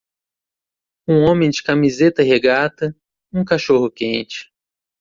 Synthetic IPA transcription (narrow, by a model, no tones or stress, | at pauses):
ũõmẽj̃d͡ʒɪkamizet̪ɐɦeɡat̪ɐ | ũkaʃoɦʊkẽnt͡ʃɪ̥